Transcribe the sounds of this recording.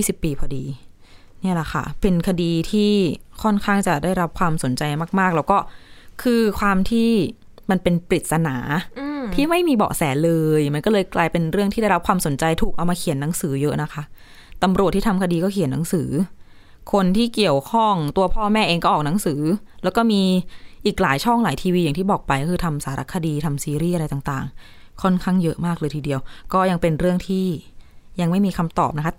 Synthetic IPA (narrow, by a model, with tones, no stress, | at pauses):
iː˥˩si˨˩pːiː˧pʰɔ˧diː˧ | ni˥˩ɐla˨˩kʰa̰˥˩pe˧nkʰa˧diː˧t̪ʰiː˥˩kʰɔ˥˩nkʰaː˥˩ŋt͡ɕa˨˩daː˥˩jɾa˦˥p̚kʰwaː˧mso˩˦nt͡ɕa˧jmaː˥˩k̚maː˥˩k̚lɛ˦˥wkɔː˥˩kʰɯː˧kʰwaː˧mt̪ʰiː˥˩ | ma˧npe˧npɾi˨˩t̪̚sa˧naː˩˦˧tʰiː˥˩ma˥˩jmiː˧bɔ̰ː˨˩k̚sɛː˩˦nlɤː˧jma˧nkɔː˥˩lɤː˧jklaː˧jpe˧nɾɯ˥˩əŋt̪ʰiː˥da˥˩jɾa˦˥p̚kʰwaː˧mso˩˦nt͡ɕa˧jt̪ʰuː˨˩k̚ʔaː˧wmaː˧kʰi˨˩˦nːa˩˦ŋsɯː˩˦jɤ˦˥ʔna˦˥kʰa˦˥ʔ | t̪a˧mɾu˨˩t̪ːʰiː˥˩a˧mkʰa˧diː˧kɔː˥˩kʰi˨˩˦nːa˨˩˦ŋsɯː˩˦ | kʰo˧nt̪ʰiː˥˩ki˨˩əwkʰɔ˥˩ŋt̪u˧ɐpʰɔː˥˩mɛː˥˩ʔeː˧ŋkɔː˥˩ʔɔː˨˩k̚na˩˦ŋsɯː˩˦lɛː˦˥wkɔː˥˩miː˧ʔiː˨˩k̚laː˩˦jt͡ɕʰɔ˥˩ŋlaː˩˦jt̪ʰiː˧wiː˧ja˨˩ŋt̪iː˥˩bɔː˨˩k̚pa˧jkɔː˥kʰɯː˧t̪ʰa˧msaː˩˦ɾa˦˥kʰːa˧diː˧t̪ʰa˧msiː˧ɾiː˥˩a˧ɾa˧jt̪aː˨˩t̪a̰ː˨˩ŋ | kʰɔ˥˩nkʰaː˥˩ŋjɤ˦˥ʔmaː˥˩k̚lɤː˧jt̪ʰːdi˧əwkɔː˥˩ja˧ŋpe˧nɾɯ˥˩əŋt̪ʰiː˥˩ja˧ŋma˥˩jmiː˧kʰa˧mt̪ɔ̰ː˨˩p̚na˦˥kʰa˦˥